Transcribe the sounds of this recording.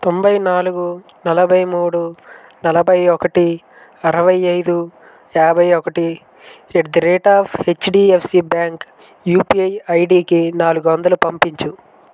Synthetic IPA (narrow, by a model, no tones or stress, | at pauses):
t̪o̞mbɐjnaːluɡu | nɐlɐbʱɐjmuːɽu | nɐlɐbʱɐjɔkɐʈi | ɐɾɐʋɐjɐjd̪u | jaːbʱɐjɔkɐʈi | ed̪iɾeːʈaːpʰhet͡ʃːɖiːepʰsibaːŋk | juːpiɐjɐjɖiːkinaːluɡuʋɐnd̪ɐlupɐmpiɲt͡ʃu